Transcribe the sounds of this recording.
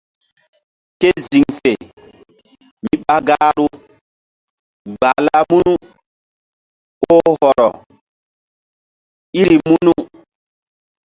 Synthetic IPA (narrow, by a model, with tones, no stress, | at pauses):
ke˦zi˨ŋfe˨ | mi˦ɓa˦ɡaː˦ɾu˦ | ɡ͡ba˨la˦mu˦nu˦ | o˦hɔ˨ɾɔ˨ | i˦ɾi˨mu˦nu˦